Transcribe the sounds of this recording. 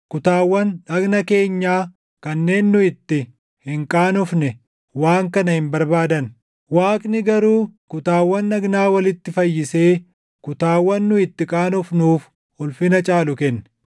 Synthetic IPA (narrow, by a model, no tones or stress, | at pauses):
kʊt̪aːwːɐnᶑɐɡnɐke̞ːɲːaː | kɐnːe̞ːnːʊɪt̪ːɪ | hɪŋkʼaːnʊfnɛ | waːŋkɐnɐhɪmbɐɾbaːd̪ɐn | waːkʼnɪɡɐɾuːkʊt̪aːwːɐnɐɡnaːwɐlɪt̪ːɪfɐjːɪse̞ː | kʊt̪aːwːɐnːʊɪt̪ːɪkʼaːnʊfnuːf | hʊlfɪnɐt͡ʃʼaːlʊkɛnːɛ̥